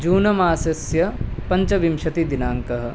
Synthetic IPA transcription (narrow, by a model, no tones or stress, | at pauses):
d͡ʒuːnɐmaːsɐsjɐpɐɲt͡ʃɐʋimʃɐt̪id̪inaːŋkɐɦɐ̆